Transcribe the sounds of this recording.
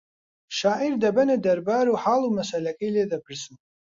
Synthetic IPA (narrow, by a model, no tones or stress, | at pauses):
ʃaːʕirdabanadarbaɾuħalumasalakʼeladapʰɨrsɨmʼ